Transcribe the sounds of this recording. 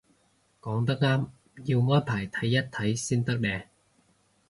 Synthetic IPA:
kɔː˨˥ŋt̪a˥k̚ŋaː˥m | ji˧wŋɔː˦˥˩jpʰaː˨˩jt̪ʰɐ˨˥jːɐ˦˥t̚t̪ʰːɐ˨˥jsiː˥nt̪ɐ˥k̚ɗɛː˧

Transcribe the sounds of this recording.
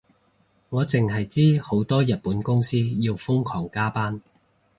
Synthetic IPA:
ŋɔː˨˧t͡sɪ˨ŋɦɐ˨jt͡siː˥ho˨˥wt̪ɔː˥jɐ˨t̚puː˨˥nkʊ˥ŋsiː˥ji˧wfʊ˥ŋkʰɔː˨˩ŋkaː˥paː˥n

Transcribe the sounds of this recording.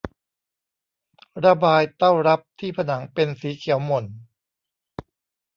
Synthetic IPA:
ɾa˧baː˧jt̪a˥˩wɾa˦˥p̚t̪ʰiː˥˩pʰa˧na˩˦ŋpe˧nsiː˩˦kʰi˨˩˦wmo˨˩n

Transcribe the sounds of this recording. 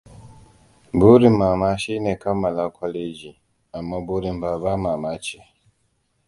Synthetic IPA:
bu˦ɾi˨ma˨ma˦ʃi˦nɛ˨ka˦ma˨la˦kʰɔ˦le˦d͡ʒi˨ | a˨mːa˦bu˦ɾi˨m˨ba˨ba˦ma˨ma˦t͡ʃe˦

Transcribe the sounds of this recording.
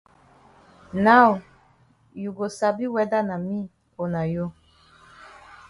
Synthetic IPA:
na˦˨ʊ˨ | ju˨ɡo˨sa˨bi˦wɛ˦da˦na˨mi˦ | o˨na˨jo˦

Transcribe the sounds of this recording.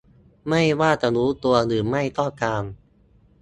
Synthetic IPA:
ma˥˩jwaː˥˩t͡ɕa˨˩ɾuː˦˥t̪u˧ɐɾɯː˩˦ma˥˩jt̪ɔ˥˩kaː˧m

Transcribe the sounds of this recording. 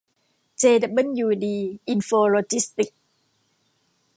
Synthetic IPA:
t͡ɕeː˧da˨˩bə˥˨njuː˧diː˧ʔi˧nfoː˧lo˧t͡ɕi˦˥st̪i˨˩k̚

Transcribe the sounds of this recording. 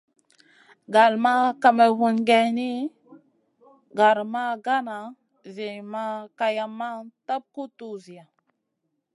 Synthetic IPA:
ɡa˨lma˦ka˨me˨wu˨nɡe˨ni˦ | ɡa˨ɾma˦ɡa˦na˨ | zi˨ma˦ka˨ja˨mːa˦ta˦p̚ku˦tu˨zi˨a˨

